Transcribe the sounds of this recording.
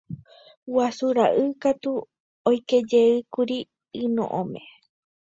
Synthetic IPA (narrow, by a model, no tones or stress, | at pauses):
wasuɾaʔɨkat̪u | ojke̞d͡ʒeɨkuɾi | ɨnõ̰ʔõmḛ̃